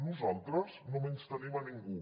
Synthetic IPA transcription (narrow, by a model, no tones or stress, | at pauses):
nuzalˠt̪ɾəznomenst̪ənemaniŋɡu